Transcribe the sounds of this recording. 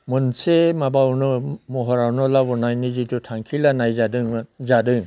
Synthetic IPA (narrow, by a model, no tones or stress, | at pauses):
mɯnsemabawnɯmɔɦɔɾawnɔlabɔnajnizitutʰaŋkʰilanajzadɯŋzadɯŋ